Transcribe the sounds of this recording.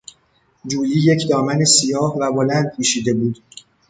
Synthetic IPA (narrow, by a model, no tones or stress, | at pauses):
d͡ʒuːjiːje̞cʰd̪ɒːmænesijɒːhvæbo̞lænd̪̚pʰuːʃiːd̪e̞buːd̪̥